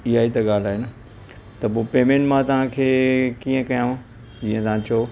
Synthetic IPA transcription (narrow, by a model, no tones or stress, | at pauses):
iaːit̪ɐɠaːl̤aːɦɪnə | t̪ɐpoːpeːmẽɳʈmãt̪ɐʋ̤ãkʰeːkiːə̃kɐjãː | d͡ʑiːə̃t̪ɐɦãt͡ɕɐo